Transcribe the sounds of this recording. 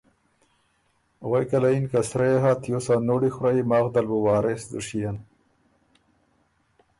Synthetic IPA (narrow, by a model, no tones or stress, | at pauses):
ɣejkalainkasɾejɦat̪josanoɽixɾaimaːɣd̪albuwaːɾesd̪ṵʂijan